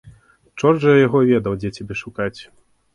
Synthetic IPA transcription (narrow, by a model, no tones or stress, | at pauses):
t͡ʂɔrʐɐjaɣɔvʲɛd̪ɐwd͡zʲɛt͡sʲabʲɛʂukat͡sʲ